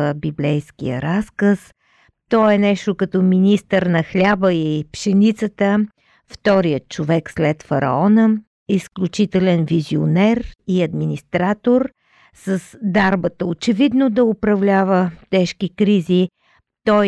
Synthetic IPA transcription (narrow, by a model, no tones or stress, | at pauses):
əbiblɛjskḭjə̰ɾaskəs | t̪ɔɛnɛʃt̪okɐt̪ɔminist̪əɾnɐxlʲabəipʃɛnit̪sət̪ə | ft̪ɔɾijət̪̚t͡ʃovɛkslɛt̪fɐɾɐ̰ɔnə | isklʲut͡ʃit̪ɛlɛnvizio̰nɛɾiɐd̪minist̪ɾat̪oɾ | səsd̪aɾbət̪əot͡ʃɛvid̪nod̪ɐʊpɾɐvlʲavət̪ɛʃkikɾizi | t̪ɔj